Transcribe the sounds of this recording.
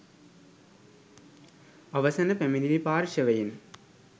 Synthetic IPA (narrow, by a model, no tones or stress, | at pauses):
ɐʋɐsɐnɐpeminilipaːɾʃəʋɐjin